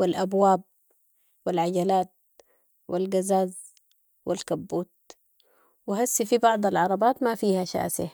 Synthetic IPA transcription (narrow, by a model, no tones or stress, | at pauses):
wilʔabwaːb̚ | wilʕaɟalaːt̪̚ | wilɡazaːz | wilkabːuːt̪̚ | wɪɦasːifibɑʕd̪ˤɑlʕɑɾˤɑbaːt̪mafiːhaʃa̰ːsi